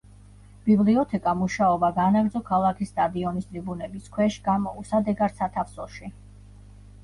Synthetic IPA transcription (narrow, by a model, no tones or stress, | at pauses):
b̥ibliɔt̪ʰɛkʼamuʃaɔbaɡanaɡd̪zɔkʰalˠakʰist̪ʼad̪iɔnist̪ʼɾʼibunɛbiskʰwɛʃɡ̥amɔusad̪ɛɡaɾsat̪ʰafsɔʃi